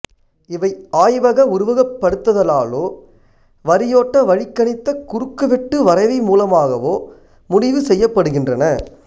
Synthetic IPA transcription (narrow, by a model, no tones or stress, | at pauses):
ɪʋɐɪaːjʋɐɣɐʊɾʊʋɐɣɐpːɐɽɯt̪ːɐðɐlaːloː | ʋɐɾɪjoːʈːɐʋɐɻɪkːɐɳɪt̪ːɐkʊɾɯkːɯʋɛʈːɯʋɐɾɐɪʋɐmuːlɐmaːɣɐʋoː | mʊɽɪʋɯsɛjːɐpːɐɽɯɣɪndrɐnɐ